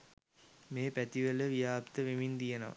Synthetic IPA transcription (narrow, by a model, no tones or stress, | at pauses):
meːpæt̪iʋɐləʋijaːpt̪əʋemind̪ijɐnɐ̰ʋ